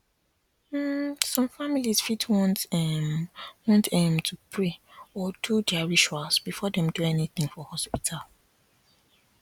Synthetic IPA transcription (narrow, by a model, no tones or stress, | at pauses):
m̩sɔ̃mfamilisfitʰwɔ̃ntmwɔ̃ntɛ̃mtʰupʰɹeɔdudɛaɹiʃualsb̥ifɔdɛ̃mduɛniθɪ̃ŋfɔhɔspitʰal